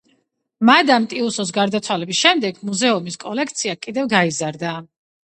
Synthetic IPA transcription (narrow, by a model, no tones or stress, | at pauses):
mad̪amt̪ʼiusɔs̬ɡaɾd̪at̪sʰwalɛbisʃɛmd̪ɛɡmuzɛumiskʼɔlɛkʰt̪sʰiakʼid̪ɛvɡaizaɾd̪a